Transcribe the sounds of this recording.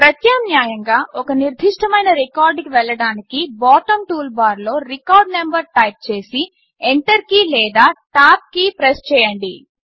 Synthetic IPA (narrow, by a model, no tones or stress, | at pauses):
pɾɐt̪jaːmnjaːjɐŋɡaːɔkɐniɾd̪ʱiʂʈɐmɐjnɐɾekaːɾɖkiʋɛɭːɐɽaːnikibaːʈɐmʈuːlbaːɾlo̞ːɾikaːɾɖnembɐɾʈɐjp̚t͡ʃe̞ːsi | eɳʈ̪ɐɾikilɛːd̪aːʈaːp̚kipɾest͡ʃɛːjɐɳɖi